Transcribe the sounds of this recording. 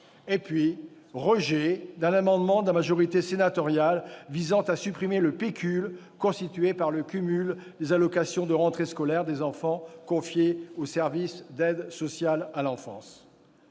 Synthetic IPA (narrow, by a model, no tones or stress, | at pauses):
epɥi | ʁəʒed̪ɛ̃namɑ̃d̪mɑ̃d̪amaʒɔʁit̪esenat̪ɔʁjalvizɑ̃t̪asypχimeləpekʲyl | kɔ̃st̪it̪ɥepaʁləkʲymyld̪ezalɔkasjɔ̃d̪əʁɑ̃t̪χeskɔlɛʁd̪ezɑ̃fɑ̃kɔ̃fjeosɛʁvisd̪ɛd̪sɔsjalalɑ̃fɑ̰̃s